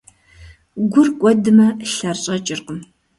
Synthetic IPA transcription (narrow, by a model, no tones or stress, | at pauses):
ɡʷʊrkʷʼɔdɨmɐɬɐrɕʼɐt͡ʃʼɪrqəm